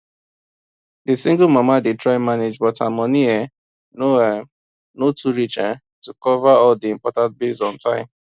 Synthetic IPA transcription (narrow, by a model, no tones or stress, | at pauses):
dɪsĩŋɡl̩mamadɪtɹaɪmaned͡ʒbɔtamɔniɛ | noɛ | notʰuɹit͡ʃa | tukɔvaɔldiĩmpɔtãnt̚besɔ̃ntʰãɪ̃m